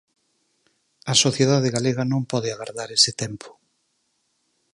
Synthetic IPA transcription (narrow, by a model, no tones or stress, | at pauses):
ɐsoθjeðaðɪɣaleɣɐnõŋpɔðɪaɣaɾðaɾesɪt̪ɛmpʰʊ̥